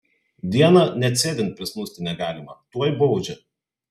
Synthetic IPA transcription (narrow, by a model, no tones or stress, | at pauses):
d̪ʲiɛnɐnʲɛt̪ʲsʲeːʋʲɪnt̪̚pʲɾʲɪsmʊst̪ʲɪnʲɛɡɑːlʲɪmɐt̪uɔjbɔʊd͡ʒʲɛ